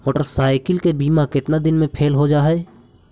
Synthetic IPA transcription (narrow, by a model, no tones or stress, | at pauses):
moːʈəɾsaːɪkɪlkebiːmakɪt̪nad̪ɪnmẽpʰeːlɦod͡ʒaːɦɛː